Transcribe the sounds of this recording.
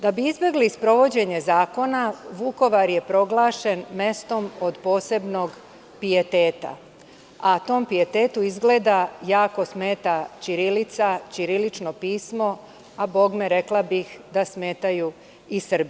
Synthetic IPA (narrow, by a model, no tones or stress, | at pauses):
d̪abiizbʲje̞ɡliːspɾo̞ʋo̞d͡ʑe̞ɲe̞zaːko̞naʋuko̞ʋaɾje̞pɾo̞ɡlˠaːʃe̞nme̞st̪o̞mod̪po̞ːse̞bno̞ɡ | pije̞t̪eːt̪a̰ | at̪o̞ːmpije̞t̪e̞ːt̪uizɡle̞ːd̪ajaːko̞sme̞ːt̪at͡ɕiɾilit̪sat͡ɕiɾilit͡ʃno̞piːsmo̞ | abo̞ɡmeɾe̞klˠabixd̪asme̞ːt̪aju | isr̩bi